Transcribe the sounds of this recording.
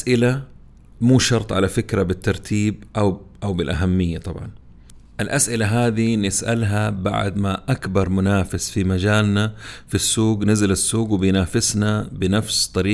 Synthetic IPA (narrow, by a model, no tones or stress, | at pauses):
ʔaʔɪla | muːʃɑɾˤt̪ˤʕalafɪkɾabɪt̪ːɑɾˤt̪ʰiːbʔawʔawbɪlʔaɦamːɪjːat̪ˤɑbʕɑ̰n | ʔɪlʔasʔɪlaɦaːd̪inɪsʔa̰lɦaba̰ʕd̪maʔakbɑɾˤmʊnaːfɪsfimad͡ʒaːlnafisːuːɡnɪzalasːuːɡwɪbɪjnaːfɪsnabɪnafst̪ˤːɑɾiː